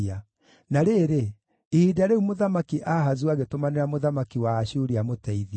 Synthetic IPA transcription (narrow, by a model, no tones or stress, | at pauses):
a | naɾeːɾe | iidaɾeumoðamakiʔaɦazuaɣetomaneɾamoðamakiwaːɕuɾiamotɛiði